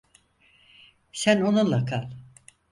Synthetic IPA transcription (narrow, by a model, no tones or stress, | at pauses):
sænonunlˠakʰalˠ